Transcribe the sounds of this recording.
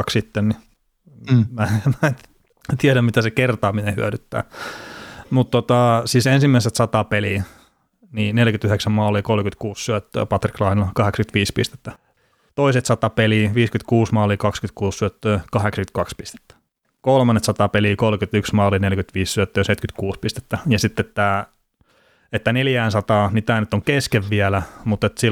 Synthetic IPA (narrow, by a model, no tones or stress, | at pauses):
ɑksit̪ːenni | mæmæ | t̪iɛɾæmmit̪æsekert̪ɑːminehyæɾyt̪ːæ̰ː | mut̪t̪ːot̪ɑsiːsensimːæiset̪sɑt̪ɑpeli | niːnelkyt̪yheksæmmɑːlːikolmkyt̪kuːssyæt̪ːø̰ːpɑt̪riklɑhilːɑkɑheksɑky̥t̪ʋiːspist̪e̥t̪ːæ | t̪oiset̪sɑt̪ɑpeliʋiːskyt̪kuːsmɑːlikɑkskyt̪kuːssyæt̪ːøːkɑheksɑkyt̪̚kɑkspi̥st̪e̥t̪ːæ̥ | kolmɑnːet̪sɑt̪ɑpeliːkolkyt̪yksmɑːlːinelkyt̪ʋiːssyæt̪ːøːset̪kyt̪kuːspist̪e̥t̪ːæjɑsit̪ːet̪ːæ | et̪ːæneljæːnsɑt̪ɑːnit̪æːnyt̪ːoŋkeskeʋʋiælæmut̪ːet̪si